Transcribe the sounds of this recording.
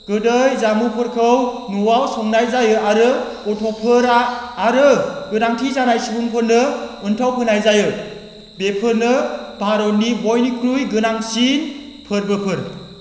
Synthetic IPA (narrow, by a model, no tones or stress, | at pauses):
ɡ̥ɯdɯjzamupʰɯɾkʰɯwnuwawsɔŋnajzajɯaɾɯ | ɔtʰɔpʰɯɾaːɾɯɡɯnaŋtʰizanajsibuŋpʰɯɾnɯɯntʰawpʰɯnajzajɯ | bepʰɯɾnɯbʱaɾɔnibɔjnikʰɾujɡɯnaŋsinpʰɯɾbɯpʰɯɾ